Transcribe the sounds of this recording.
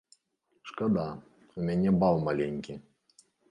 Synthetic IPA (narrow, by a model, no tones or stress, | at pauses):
ʂkad̪a | umʲanʲɛbawmalʲɛnʲkʲi